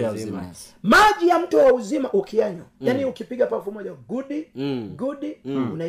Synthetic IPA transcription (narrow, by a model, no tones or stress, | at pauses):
maʄijam̩tuwauzimaʔukiaɲwajaniukipiɠapafumɔʄaɡuɗiɡuɗiuna